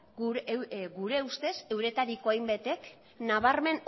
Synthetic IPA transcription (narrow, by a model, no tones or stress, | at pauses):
ɡuɾe̞ust̪e̞se̞wɾe̞t̪aɾiko̞ajmbe̞t̪e̞k | naβ̞aɾme̞n